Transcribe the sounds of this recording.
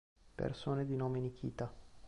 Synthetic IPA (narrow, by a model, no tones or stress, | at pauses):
pḛrsoːned̪inoːmenik̟ʰḭːt̪a